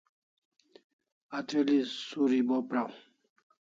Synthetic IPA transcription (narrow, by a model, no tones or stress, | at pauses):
atelisuɾibɔpɾaw